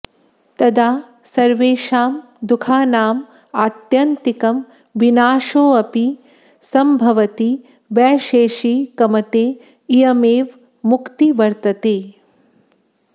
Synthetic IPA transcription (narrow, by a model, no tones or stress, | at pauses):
t̪ɐd̪aː | sɐɾʋeːʃaːm | d̪ukʰaːnaːm | aːt̪jɐnt̪ikɐm | ʋinaːʃoːɐpi | sɐmbʱɐʋɐt̪i | ʋɛːʃeːʃiːkɐmɐt̪eː | ijɐmeːʋ | mukt̪iʋɐɾt̪ɐt̪eː